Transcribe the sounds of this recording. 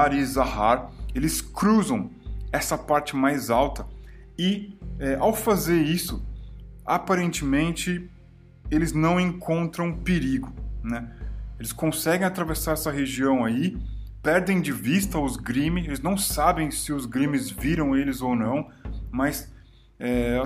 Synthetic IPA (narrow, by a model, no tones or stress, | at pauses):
aɾɪzahaɾelɪskɾuzɐ̃w̃ɛsɐpaɾt͡ʃɪmajzawt̪ɐ | ɪɛʔawfazeɾisʊ | apaɾẽnt͡ʃɪmẽnt͡ʃɪ | elɪznɐ̃w̃ẽŋkʰõnt̪ɾɐ̃w̃peɾiɡʊnɛelɪskõsɛɡẽj̃at̪ɾavesaɾɛsɐɦeʒiɐ̃w̃ai | pɛɾd̪ẽj̃d͡ʒɪvist̪ɐʊzɡɾĩmɪelɪznɐ̃w̃sabẽj̃sɪʊzɡɾĩmɪzviɾɐ̃w̃elɪzownɐ̃w̃mɐs | ɛ